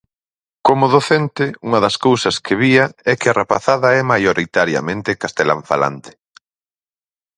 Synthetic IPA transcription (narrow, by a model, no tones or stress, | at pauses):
komʊðoθent̪ɪuŋɐðɐskowsɐskʰɪβiɐɛkɪarapaθaðɐɛmajoɾʔit̪aɾjɐ̰mẽnt̪ɪkast̪ela̰ɱfa̰la̰nt̪ɪ̥